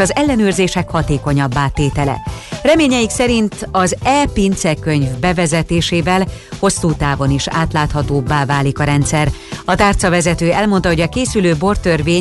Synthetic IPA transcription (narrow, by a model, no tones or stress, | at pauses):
ɒzɛlːɛnøːrzeːʃɛkhɒt̪eːko̞ɲɒbːaːt̪eːt̪ɛlɛ̰rɛmeːɲɛjiksɛɾint̪ɒzɛːpint̪sɛrkøɲvbɛvɛzɛt̪eːʃeːvɛlho̞sːuːt̪aːvo̞niʃa̰ːt̪laːt̪hɒt̪oːbːaːvaːlikɒɾɛnt̪sɛrɒt̪aːrt̪sɒvɛzɛt̪øːɛlmo̞nt̪ɒɦo̞ɟɒkeːsyløːbo̞rt̪ørveːɲ